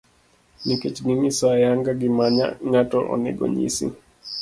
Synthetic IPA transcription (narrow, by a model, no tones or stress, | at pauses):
nikɛt͡ʃnimisajaŋɡaɡimaɲa̰ŋatɔʔɔ̰nɛ̰ɡɔ̰ɲḭsḭ